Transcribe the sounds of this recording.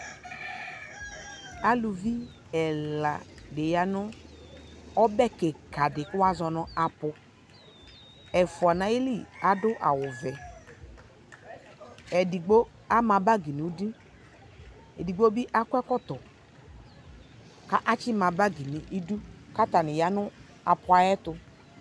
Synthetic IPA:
a˦lu˨vi˦ | ɛ˨la˨de˨ja˨nʊ˦ | ɔ˦bɛ˦ke˨ka˨dɪ˨kʊ˦wa˦zɔ˧nɔ˦a˨pʊ˧ | ɛ˨fʊ˨a˨na˨˦i˦li˦˨a˨dʊ˦ʔa̰˨wʊ˨vɛ˨ | ɛ˨di˨ɡ͡bo˦ | a˦mã˨ba˦ɡi˨ni˨u˦di˦ | ɛ˨di˨ɡ͡bo˦bi˦ʔa˦kʷɛ˦kɔ˦tɔ˨ | ka˦ʔa˦t͡ʃɪ˦mã˨ba˦ɡi˨ni˨ʔi˦du˦ka˦ta˨nɪ˨ja˨nʊ˦ | a˨pʊ˨˦a˨jɛ˦tʊ˧

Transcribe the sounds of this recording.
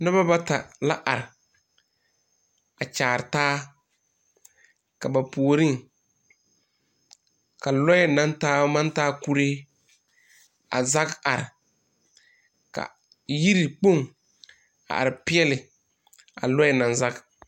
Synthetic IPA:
nʊ˦ba˦ba˦ta˨la˦ʔa˨ɾɪ˨ | a˨t͡ʃaː˨ɾɪ˨taː˦ | ka˨ba˨pu˨o˨ɾi˦ŋ | ka˨lɔ˦ɛ˦nã˦ntaː˦ma˦ntaː˦ku˦ɾeː˦ | a̰˨za˦ka˨ɾɪ̰˨ | ka̰˨ | ji˦ɾi˨k͡po˦˨ŋ | a̰˨ʔa̰˨ɾɪ˨pɪ˦ɛ˦lɪ˨ | a̰˨lɔ˦jɛ˦nã˨nza˦k

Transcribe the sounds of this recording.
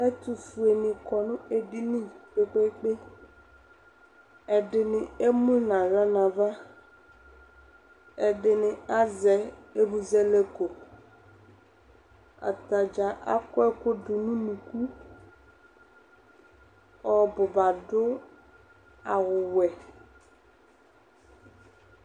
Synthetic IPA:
ɛ˦t̪u˨fu˨e˨nɪ̃˨kɔ˨nʊ̃˦e˨ɖi˦nĩ˦k͡pe˨k͡pe˦k͡pe˦ | ɛ˨ɖɪ˨nɪ̃˨e˦mũ˦nã˨ɣa˦nã˨va˦ | ɛ˨ɖɪ˨nɪ̃˨a˦zɛ˨e˦bu˨zɛ˦le˦ko˨ | a̰˨t̪a˨d͡ʒa˨ʔa˦kʊ˦ɛ˦kʊ˦dʊ˨nũ˦nũ˨ku˦ | ɔ˨bʊ˨ba˨ɖʊ˦ | a˨ɣʊ˨wɛ˨

